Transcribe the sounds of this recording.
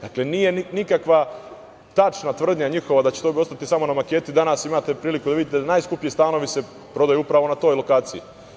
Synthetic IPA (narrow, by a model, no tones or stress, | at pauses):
d̪̥akle̞nije̞nnikakʋa | t̪at͡ʃnat̪ʋr̩d̪ɲaɲixo̞ʋad̪at͡ɕet̪obio̞st̪at̪isamo̞namake̞ːt̪id̪anaːsimaːt̪e̞pɾiːlikud̪aʋid̪it̪ed̪anaːjskupjist̪aːno̞ʋise̞ | pɾo̞d̪ajuupɾaʋo̞nat̪o̞ːjlo̞kaːt̪siji